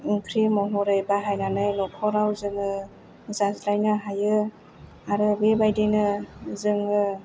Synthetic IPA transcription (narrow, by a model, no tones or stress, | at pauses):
iŋkʰɾimɔɦɔɾɯjbaɦajnanɯjlɔkʰɔɾawzɯŋɯ | zazɾajnaɦajɯ | aɾɯbebajdenɯzɯŋɯ